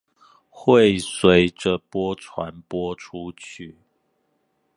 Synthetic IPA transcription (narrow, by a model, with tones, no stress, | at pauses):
xwe˥˨ɪswe˨˦ɪʈ͡ʂə˨pwɔ˦ʈ͡ʂʰwa˧˦npwɔ˥ʈ͡ʂʰu˦t͡ɕʰy˥˩